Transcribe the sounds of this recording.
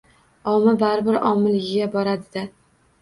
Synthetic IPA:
ɒmɪbaɾbɪɾɒmːɪlɪɡʲɪɡʲabɒɾad̪ɪd̪ɪ

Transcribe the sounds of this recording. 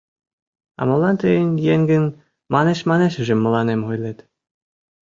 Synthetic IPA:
ɑ̰mɤ̆lˠːɑnt̪ɘ̆jɘ̆nʲjeŋɡʲɘ̆nʲ | mɑneɕmɑneɕɘ̆ʒɘ̆mːɤ̆lˠɑnemʲχujlʲet̪ʲ

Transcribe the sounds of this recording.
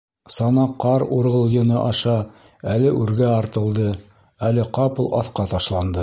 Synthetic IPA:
sɑnɑqːɑɾṵɾɤ̆lˠjɤ̆nɤʔɑʃɑ | ælɘʔʉɾɡæɑɾt̪ɤ̆lˠd̪ɤ | ælɘqɑpɤlˠʔɑ̰θqɑt̪ɑʃlˠɑnd̪ɤ

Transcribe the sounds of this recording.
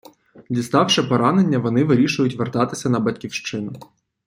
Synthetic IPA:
d̪ʲist̪ɑwʃɛpɔɾɑnenʲːɐʋɔnɪʋɪɾʲiʃʊjʊtʲʋert̪ɑt̪ɪsʲɐnɐbɐtʲkʲiwʃt͡ʃɪnʊ

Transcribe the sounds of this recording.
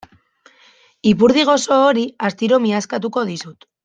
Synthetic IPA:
ipuɾð̞iɣ̞o̞so̞ːɾiast̪iɾo̞miaskat̪̬uko̞ðisut̪

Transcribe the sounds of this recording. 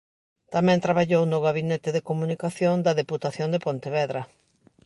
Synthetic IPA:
t̪amɛ̃nt̪ɾaβaʎownʊɣaβinet̪ɪðekomunikaθjond̪ɐðeput̪aθjond̪epont̪eβɛðɾɐ

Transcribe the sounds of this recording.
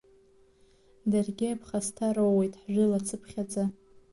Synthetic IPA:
darɡʲɪapʰχastʰaɾowwejtʼħʒʷᶣɪlat͡sʰɨpʰχʲad͡za

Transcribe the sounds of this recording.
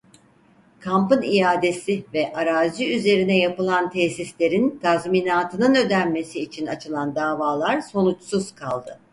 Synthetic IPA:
kʰampɯnijaːd̪e̞sivɛʔaɾaːziyze̞ɾinɛjapɯlˠant̪ʰɛsislʲe̞ɾint̪ʰazmiːnaːt̪ʰɯnɯnø̞d̪ænme̞siːt͡ʃʰinat͡ʃʰɯlˠand̪aːvaːlˠaɾso̞nut͡ʃsuz̥kʰalˠd̪ɯ

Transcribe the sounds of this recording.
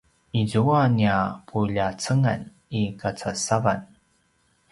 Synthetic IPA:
izuaniapʰuʎat͡səŋa̰n | ikat͡sasavan

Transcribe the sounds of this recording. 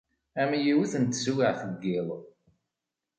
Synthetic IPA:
æmjiwiθənt̪ːswɪʕθəɡːɪlˤ

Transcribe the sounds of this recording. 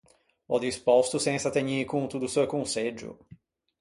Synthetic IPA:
ɔd̪ispɔst̪ʊsẽsɐt̪eɲiɾkõt̪ud̪ʊsewkõsed͡ʒʊ̰

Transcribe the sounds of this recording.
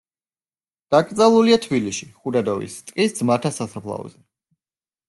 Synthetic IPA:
d̪̥akʼt̪sʼalˠuliat̪ʰbiliʃiχud̪ad̪ɔvḭst̪ʼkʼisd̪zmaɾt̪ʰasasapʰlˠa̰ɔ̰zɛ

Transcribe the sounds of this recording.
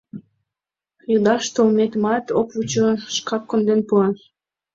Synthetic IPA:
jud̪ɑʃt̪olmet̪mɑt̪opvut͡ɕoʃkɑp̚kond̪enpuɑn

